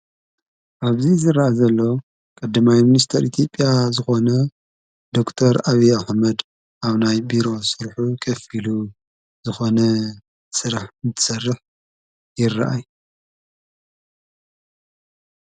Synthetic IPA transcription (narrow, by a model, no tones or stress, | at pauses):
ʔaβzizɨɾaʔazɐlːo̞ | kʼɐd̪ːɐmajminist̪ʰɐɾit̪ʰjo̞pʼːjazɨxo̞nɐ | d̪o̞kt̪ʰɐɾaβiaħmɐd̪ | ʔaβnajbiɾo̞sɨɾħukʰɐfilu | zɨxo̞nɐ | sɨɾaħɨnt̪ʰɨ̥sɐrːɨħ | jɪrːaʔaj